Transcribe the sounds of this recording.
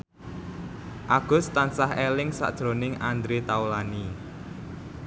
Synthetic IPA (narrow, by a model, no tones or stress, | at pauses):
ʔaɡ̥ʊ̤st̪ansahelɪŋsa̰ʔd̥ʒ̥ɾo̤nɪŋand̪ɾet̪aulani